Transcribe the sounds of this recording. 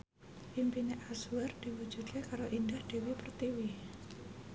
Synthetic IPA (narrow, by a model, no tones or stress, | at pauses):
pimpineʔasward̪̥iwu̥d͡ʒud̪̥̚kekaɾoʔindahd̥ewipərt̪iwi